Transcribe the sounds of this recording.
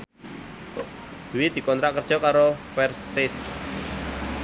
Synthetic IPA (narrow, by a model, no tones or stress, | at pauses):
d̪̥uwɪd̪̥i̤kɔnt̪ɾaʔkərd̥ʒ̥ɔkaɾofɛrsɪs